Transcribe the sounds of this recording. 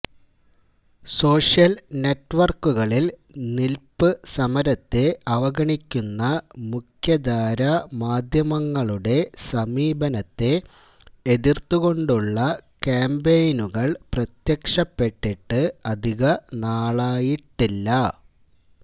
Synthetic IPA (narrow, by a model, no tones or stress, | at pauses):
so̞ːʂjɐlne̞ʈːʋɐrkːuɣɐɭilnilpɨsɐmɐɾɐt̪ːe̞ɐʋɐɡɐɳikʲːunːɐmukʰjɐd̪aːɾɐmaːd̪ʱjɐmɐŋːɐɭuɽe̞sɐmiːbʱɐnɐt̪ːe̞ | eðirt̪ːuɣo̞ɳɖuɭːɐkaːmbejnuɣɐɭprɐt̪jɐkʂɐpːe̞ʈːiʈːɨɐd̪ʱiɣɐnaːɭaːjiʈːilːɐ